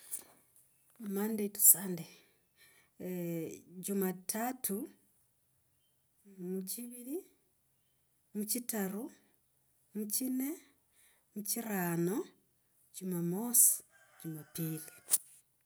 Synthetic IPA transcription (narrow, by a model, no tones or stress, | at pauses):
amandetu̥sande | ɟumatʰatʰu | muciβili | mucitaɾu | mucine | muciɾaːno | ɟumamosi̥d͡ʒumapiːli